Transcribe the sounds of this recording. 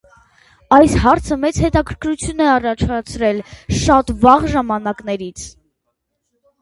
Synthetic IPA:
ɑjshɑɾt͡sʰəmɛt͡shɛt̪ɑkʰəɾkʰɾut͡sʰjunɛɑrɑt͡ʃʰɑt͡sʰɾɛlʃɑt̪vɑʁʒɑmɑnɑkn̪ɛɾit͡sʰ

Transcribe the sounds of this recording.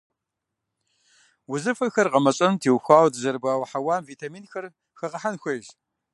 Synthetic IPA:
wʊzɨfɐxɐrqɐmɐɕʼɐntʰiːwxʷaːwdʰɨzɐɾbaːwħawaːmviːtʰaːmiːnxɐr | xɐʁɐħanxʷɐʒ

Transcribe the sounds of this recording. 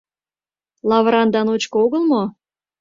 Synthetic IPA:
lɑvɾɑnd̪ɑnot͡ɕkooɣəlmo

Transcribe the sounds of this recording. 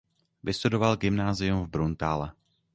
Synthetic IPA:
vɪst̪udo̞valɡɪmnaːzɪjumvbɾunt̪aːlɛ

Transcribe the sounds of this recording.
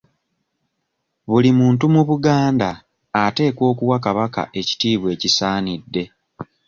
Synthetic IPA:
βulimuːntumuβuɡaːndaː | te̞ːkwo̞ːkuwakaβaka̰ʔe̞ci̥tiːβwe̞ːcisaːnidːe̞

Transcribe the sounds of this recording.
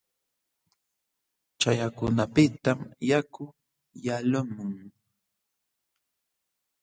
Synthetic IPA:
t͡ʃajakʊnapɪt̪amjakʊ | jalʊmʊŋ

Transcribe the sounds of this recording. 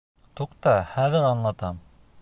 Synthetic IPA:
t̪uqt̪ɑχæðɘɾɑnlˠɑt̪ɑm

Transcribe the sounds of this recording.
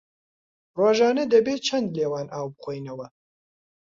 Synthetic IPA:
roːʒɑːnɐd̪ɐbeːt͡ʃʰɐnd̪leːwɑːnʔaːwbɨxʷoːjnɐwɐ

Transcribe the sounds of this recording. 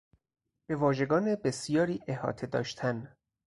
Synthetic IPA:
b̥e̞vɒːʒe̞ɡɒːnebesijɒːɾiːʔehɒ̰ːt̪ʰed̪ɒ̰ːʃt̪ʰæn

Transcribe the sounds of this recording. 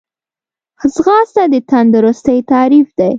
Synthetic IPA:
xzɣɑst̪ad̪ət̪and̪ʊɾʊst̪əjt̪ɑɾifd̪aj

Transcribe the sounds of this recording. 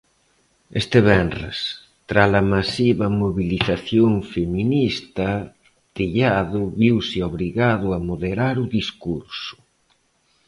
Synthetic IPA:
est̪ɪβɛnrḛs | t̪ɾaslɐmasiβɐmoβiliθaθjoŋfeminist̪ɐ | t̪iʎaðʊβiwsɪoβɾiɣaðʊamoðeɾaɾʊðiskuɾsʊ̥

